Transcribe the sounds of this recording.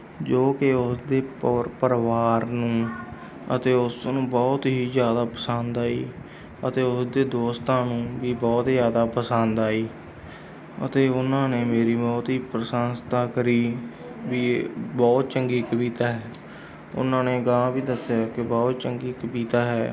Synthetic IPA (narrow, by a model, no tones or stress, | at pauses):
d͡ʒoːkɪʊsd̪eːppəɾʋaːɾnũː | ə̰t̪eːʊsnũːbɔːt̪ɦiːzjaːd̪aːpəsãːnd̪aːḭː | ət̪eːʊsd̪eːd̪oːst̪ãːnũːʋiːbɔːt̪zjaːd̪aːpəsãnd̪aːiː | ə̰t̪eːʊnãːneːmeːɾiːbɔːt̪ɦiːpɾəsaːnst̪ãːkəɾiː | ʋiːbɔːt̪̚t͡ʃəŋɡiːkəbiːt̪aːɦɛː | ʊ̰nãːneːɡaãːbiːd̪əsːjaːkɪbɔːt̪̚t͡ʃəŋɡiːkəbiːt̪aːɦɛː